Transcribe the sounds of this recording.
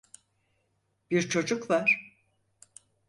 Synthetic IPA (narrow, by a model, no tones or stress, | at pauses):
b̥iɾt͡ʃʰo̞d͡ʒukvaɾ̥